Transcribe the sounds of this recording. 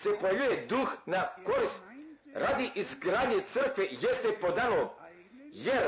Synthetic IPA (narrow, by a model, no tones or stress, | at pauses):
sepojajujed̪uxnakoɾis | ɾad̪iʔizɡɾaːd̪ɲet̪sər̩kʋejest̪epod̪ano | jeɾ